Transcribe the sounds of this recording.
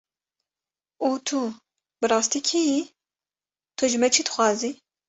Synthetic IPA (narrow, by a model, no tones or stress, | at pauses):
uːt̪ʰu | bɨɾɑːst̪iːkʰiji | t̪ʰuʒɨmɛt͡ʃʰiːd̪ɨ̥xʷɑːziː